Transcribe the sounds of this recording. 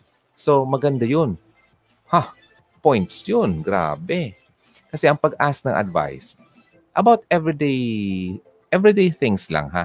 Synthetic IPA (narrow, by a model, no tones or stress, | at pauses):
somɐɡɐnd̪ajon | ha | pojnt̪sjonɡɾa̰ːbɛ | kɐsɛʔɐŋpɐɡʔaːsɐnɐŋʔɐ̰d̪va̰js | ʔɐbawt̪̚ɛvɹid̪ej | ʔɛvɾid̪ejθɪŋslɐ̰ŋɦa̰